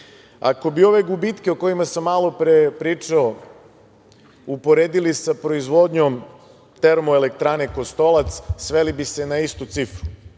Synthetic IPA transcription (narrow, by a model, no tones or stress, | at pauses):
a̰ko̞bio̞ʋe̞ɡubit̪ke̞oko̞jimasamːaːlˠo̞pɾepɾiːt͡ʂao | upo̞ɾeːd̪ilisapɾo̞izʋo̞d̪ɲo̞m | t̪e̞ɾmoelekt̪ɾaːneko̞st̪o̞lat̪ssʋelibise̞naist̪ut̪sifɾu̥